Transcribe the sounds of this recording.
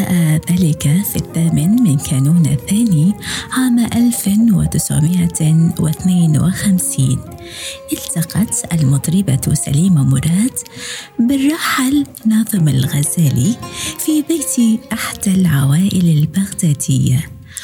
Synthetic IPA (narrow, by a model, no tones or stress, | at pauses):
aːʔaðaːlɪkafḭθːaːmɪnmɪnkʰaːnuːna̰θaːniʕaːmʔalfwɪ̰t̪ɪsʕ̰mɪʔawɪ̰θneːnwɪ̰xamsiːn | ʔɪlt̪ɑqɑt̪ʔalmʊt̪ˤɾɪbasa̰liːmamʊɾˤɑːt̪bɪrˤːɑħal | nɑːðˤɨmalɣazaːlifibeːt̪iʔaħd̪̥alʕawaːʔɪlalbaɣd̪aːd̪ɪjːa